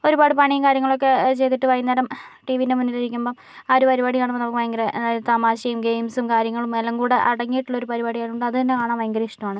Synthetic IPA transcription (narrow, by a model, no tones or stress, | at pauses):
o̞ɾubaːɽɨpɐɳijɐmkaːɾjɐŋːɐɭo̞kːe̞t͡ɕe̞jt̪iʈːɨʋɐjnːɐɾɐmʈiːʋinemunːiliɾikʲːumboː | aːɾupɐɾibaːɽijaːɳɨʋɐnːɐpːkʋɐŋɡɐɾet̪amaːɕɐjumɡejmsumkaːɾjɐŋːɐɭumːelːɐŋkuːɽeʔɐɽɐŋːijːʈːuɭːɐo̞ɾupɐɾibaːɽijaːjʈːuɳɖɨɐðɨt̪ɐnːe̞kaːɳaːmʋeŋɡɐɾɐiʂʈɐmaːɳɨ